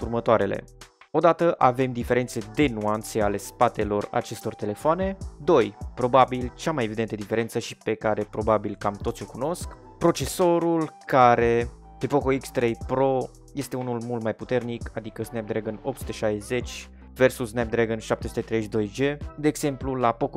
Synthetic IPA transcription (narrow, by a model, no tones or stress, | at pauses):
urmət̪oaɾe̞lḛ | o̞d̪at̪əʔave̞md̪ife̞ɾe̞nt̪se̞d̪e̞nuant̪se̞ale̞spat̪e̞lo̞ra̰t͡ʃe̞st̪o̞rt̪e̞le̞foane̞d̪o̞jpɾo̞babilt͡ʃamaje̞vid̪ent̪əd̪ife̞ɾe̞nt̪səʃipe̞kaɾe̞pɾo̞babilkamt̪ot̪sʲo̞kuno̞sk | pɾo̞t͡ʃe̞so̞ɾulkaɾe̞ | pepo̞ko̞ikst̪ɾejpɾo̞ | je̞st̪e̞unulmult̪majput̪e̞rnikad̪ikəsnep̚d̪ɾeɡənop̚t̪sut̪e̞ʃajze̞t͡ʃʲ | ve̞rsusːnep̚d̪ɾeɡənʃapt̪e̞sut̪e̞t̪ɾeʃd̪o̞jd͡ʒe̞d̪e̞ːɡz̥e̞mplulapo̞k